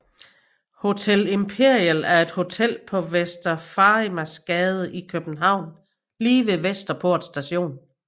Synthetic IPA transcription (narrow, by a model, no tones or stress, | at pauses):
ho̝t͡sʰelempʰe̝ɐ̰iəlæɐe̝d̥ho̝t͡sʰel̰pʰɒ̽ʋesd̥ɐfɑ̈imæsɡ̥ɛːð̞ˠəikʰøb̥n̩ɦɑ̈ʊ̰n | liːʋe̝ʋesd̥ɐpʰo̝ɐ̰d̥sd̥æɕo̝̰ːn